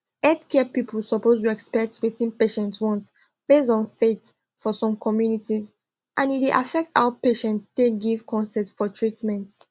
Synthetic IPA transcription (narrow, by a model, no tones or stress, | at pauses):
ɛdkʰɛpipʰəl̩sɔpostuɛkspɛk̚twitĩnpeʃɛ̃ntwɔ̃nt | b̥esdɔ̃nfet | fɔsɔ̃mkʰɔmjunitiz | ʔãnit̚weʔafɛk̚tʰa̰wəpeʃɛ̃ntdeɡivkʰɔ̃nsɛtfɔtʰɹitmɛ̃nt